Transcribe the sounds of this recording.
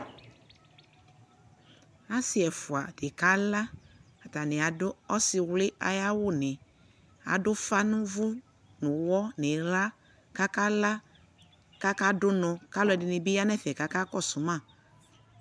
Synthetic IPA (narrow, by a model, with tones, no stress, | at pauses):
a˦sɪ˨ɛ˨fʊ˨a˨d̥ɪ˨ka˦la˦ | a˨ta˨nɪ˨a˨dʊ˦ɔ˦sɪ˨wlɪ˦ʔa̰˨ja˦wʊ˦˨nɪ̃˨ | a̰˨dʊ˦fa˦nʊ̃˦vʊ˦ | nʊ̃˨wɔ˦nɪ˨ɾa˦ | ka˦ka˦la˦ | ka˦ka˦dʊ˦nɔ˨ka˦lʊ˨ɛ˨dɪ˨nɪ˨bɪ˦ja˦nɛ˦fɛ˨ka˨˦ka˦kɔ˦˨sʊ˨mã˦˨